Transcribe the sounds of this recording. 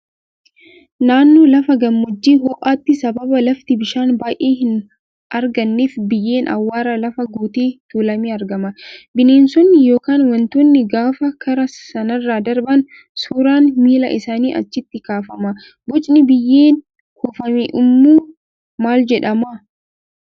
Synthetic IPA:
naːnːoːlɐfɐɡɐmːɔd͡ʒːiːhɔʔaːt̪ːɪsɐbɐbɐlɐft̪ɪbɪʃaːnbaːjʔeːɦɪn | ʔɐɾɡɐnːeːfbɪjːe̞ːnʔɐ̰wːaːɾɐlɐfɐɡuːt̪eːt̪uːlɐmeːɐɾɡɐmɐbɪneːnsɔnːɪjo̞ːkaːnwɐnt̪oːnːɪɡaːfɐkɐɾɐsɐnɐrːaːd̪ɐɾbɐn | suːɾaːnmiːlɐ̰ʔɪsaːniːʔɐ̰t͡ʃːɪt̪ːɪkaːfɐmɐ | bɔt͡ʃʼnɪbɪjːe̞ːn | kʊfɐmeʔʊmːuː | maːld͡ʒɛᶑɐmɐ

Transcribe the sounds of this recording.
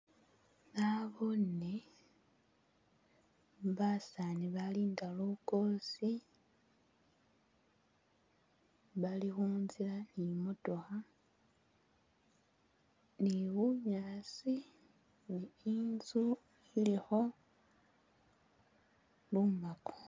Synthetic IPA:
naβone | βasaniβaliːndalukosi | βalixuːnzilanimotoxa | niwuɲaːsi | niinzu | ilixo̞ | lumako̥

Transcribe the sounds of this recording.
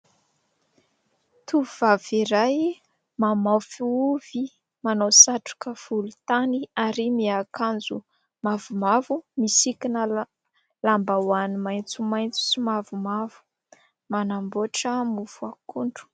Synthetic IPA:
t̪ʰuvaviɾaj | mamawfiuv̥i | manowsaʈ͡ʂu̥kəfulut̪aniaɾimiakand͡zu | mavumavumisikinə | lambawanimajnt͡sumajnt͡su̥simavumavu̥ | manamboʈ͡ʂəmufuakuɳɖ͡ʐu̥

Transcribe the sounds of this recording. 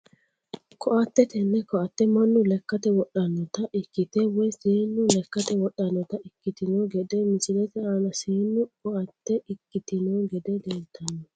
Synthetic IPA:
kʰɔʔɐt̪ːɛt̪ɛnːɛkɔɐt̪ːɛmɐnːʊlɛkːɐt̪ɛwɔɗɐnːɔt̪ɐʔɪkːɪt̪ɛwɔjsiːnːʊlɛkːɐt̪ɛwɔɗːɐnːɔt̪ɐɪkːɪt̪ɪnɔɡɛd̪ɛmɪsɪlɛt̪ɛaːnɐsiːnːʊkɔɐt̪ːɛʔɪkːɪt̪ɪnɔɡɛd̪ɛd̪eːlt̪ʰːɐnːɔ

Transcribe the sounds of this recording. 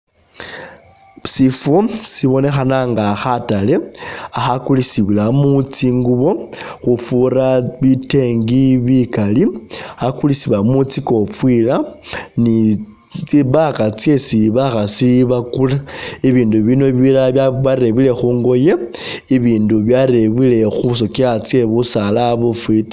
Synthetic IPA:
sifusiβo̞ne̞xanaŋɡaxatale̞axakulisiβilamut͡siŋɡuβo̞xufuɾaβite̞ŋɡiβikaliakulisiβamut͡siko̞fwilani | t͡siβakat͡sje̞siβaxasiβakulaiβiːnduβino̞βilaβaβaɾe̞βile̞xuːŋɡo̞jeiβiːnduβjaɾe̞βile̞xus̬o̞kiat͡sje̞βusalaβufwit

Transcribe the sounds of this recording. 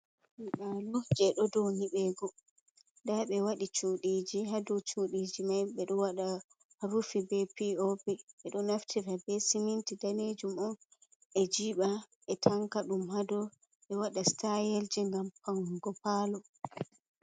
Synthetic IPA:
ɗalɔd͡ʒɛɗɔdoniɓɛːɡɔ | daɓɛwaɗit͡ʃuɗid͡ʒiɦadɔt͡ʃuɗid͡ʒimajɓɛɗɔwaɗa | ɾufibɛpiɔbɛɓɛɗɔnaftʰɛfɛbɛsimintidaned͡ʒumɔn | ʔɛd͡ʒiɓa | ʔɛtʰaŋkaɗumhadɔ | ɓɛwaɗastajeld͡ʒiŋɡampaŋɡɔpaːlɔ

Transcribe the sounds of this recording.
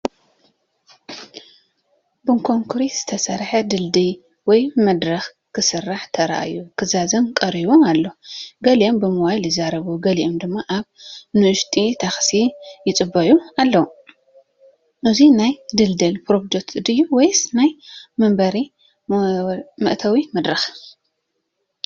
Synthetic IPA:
bɨŋkʰoŋkʰɾiz̥ɨt̪ʰɐsɐɾħɐd̪ɨld̪ɨl | wɔjmɐd̪ɾɐx | kʰɨsɨrːaħt̪ʰɐɾa̰ʔa̰jukʰɨzazɨnkʼɐɾiβomalːoɡɐliʔombɨmuwajlɨzaɾɐβuɡɐliʔomd̪ɨmːaʔaβnɨʔʊʃt̪ʼit̪ʰaxsijɪt͡sʼɨbɐʔualːɐu | ʔɨzinajd̪ɨld̪ɨlpɾod͡ʒ̪ek̚t̪ʰɨd̪ɨjːuwɔjsnajmɐmbɐɾi | mɨʔt̪ʰɐwimɐd̪ɾɐx

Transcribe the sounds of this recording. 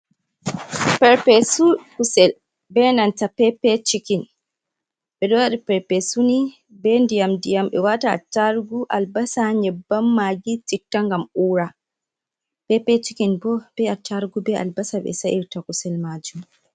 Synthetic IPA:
pɛɾpɛsukusɛl | bɛnantapɛpɛt͡ʃikin | ɓɛɗɔwaɗipɛɾpɛsuni | bɛndijamdijamɓɛ̰wata̰ːtːaɾɡuʔalbasaɲɛbːamːaɡitik̚tːaŋɡamuːɾa | pɛpɛt͡ʃikinbɔb̥ɛatʰaɾɡubɛa̰lbasaɓɛ̰saʔiɾtakusɛlmad͡ʒum

